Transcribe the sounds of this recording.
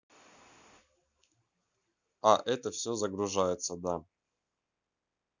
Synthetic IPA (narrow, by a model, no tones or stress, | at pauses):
aʔɛt̪əfsʲɵzəɡɾʊʐajɪt̪səd̪a